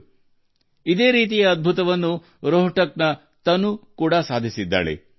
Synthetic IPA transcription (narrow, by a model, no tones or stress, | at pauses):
id̪eːɾiːt̪̬ijɐːd̪̚bʱut̪ɐʋɐnːu | ɾoɦʈɐknɐ | t̪ɐnukuːɽɐsaːd̪ʱisid̪ːa̰ːɭḛ